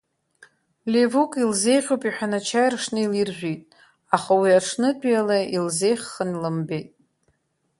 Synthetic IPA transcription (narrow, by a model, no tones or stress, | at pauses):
levukʼilze̞jʁʲowpʼiħʷᶣanat͡ʃʰajrʂnɨilirʒᶣʷitʼ | aχawiaʈ͡ʂʰnɨdʼjalailze̞jχːənilɨmbe̞jtʼ